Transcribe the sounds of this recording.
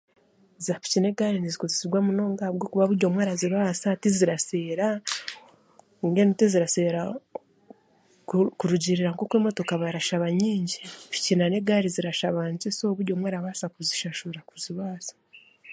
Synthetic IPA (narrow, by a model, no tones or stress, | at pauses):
zafi̥cine̞ɡaːɾinizikozesiɡwamuno̞ːŋɡahabɡo̞kuβaβuɾɟo̞mwaːɾaziβaːsatiziɾase̞ːɾa | iŋɡenitiziɾase̞ɾa | kkuɾuɟiɾiɾaŋko̞kweːmo̞to̞kaβaɾaʃaβaɲiːɲɟifi̥cinaneɡaːɾiziɾaʃaβaːɲzesoβuɾɟomwaːɾaβaːsakuziʃaʃuɾakuziβaːsḁ